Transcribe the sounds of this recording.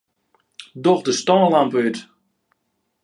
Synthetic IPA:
dɔχdəstɔːlampəyt

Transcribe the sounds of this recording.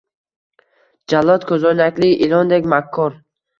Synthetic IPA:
d͡ʒalːɔt̪kʰɵzɔnakʲliʔilɔnd̪ekʲmakʰːɔɾ

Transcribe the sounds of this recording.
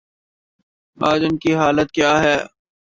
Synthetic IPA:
aːd͡ʒʊmkiɦaːlət̪̚kjaːɦɛː

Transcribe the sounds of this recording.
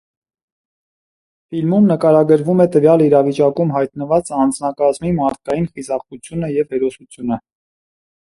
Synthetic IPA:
filmumnəkɑɾɑɡəɾvumɛt̪əvjɑliɾɑvit͡ʃɑkumɦɑjt̪nəvɑt͡səɑnd͡znɑkɑzmimɑɾt̪̚ʰkɑjinχizɑχut͡sʰjunəjɛvhɛɾɔsut͡sʰjunə

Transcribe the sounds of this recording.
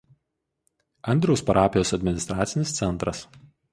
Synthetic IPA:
ɐnʲd̪ʲɾʲoʊspɐɾʔɑːpʲɪjoːsɐd̪ʲmʲɪnʲɪst̪ɾaːt̪sʲɪnʲɪst̪sʲɛnˑt̪ɾɐs

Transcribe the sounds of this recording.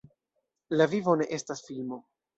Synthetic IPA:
lavivo̞ne̞ʔe̞stasfilmo̞

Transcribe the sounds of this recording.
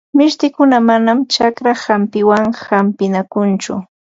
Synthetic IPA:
mɪʃt̪ɪkʊnamanamt͡ʃakɾahampɪwaŋhampɪnakʊnt͡ʃʊ̰

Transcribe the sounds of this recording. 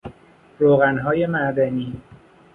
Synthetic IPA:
ɾoːɣænɦɒːje̞mæʔd̪æniː

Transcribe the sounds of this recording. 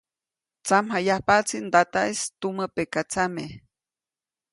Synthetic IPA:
t͡samhajahpat͡sind̪at̪aʔest̪umapekat͡same

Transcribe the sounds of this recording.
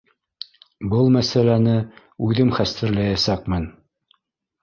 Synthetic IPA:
bɤlˠmæsælænɘ | ʉðɘmχæst̪ɘ̆ɾlæjæsækmɘn

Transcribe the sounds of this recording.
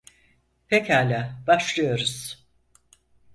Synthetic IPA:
pʰechaːlʲaːbaʃlˠɯjo̞ɾuz̥

